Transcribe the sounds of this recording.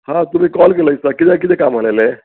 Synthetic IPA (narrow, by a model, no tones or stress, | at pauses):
hãt̪um̤ĩkɔlkeləjsəkit̪ekit̪ekamɦəlele